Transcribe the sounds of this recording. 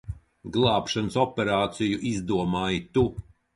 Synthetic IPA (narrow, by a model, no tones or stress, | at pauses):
ɡlˠaːpʃanɨsɔpʲɛɾaːt̪sijuʔizd̪uɔmaːjit̪u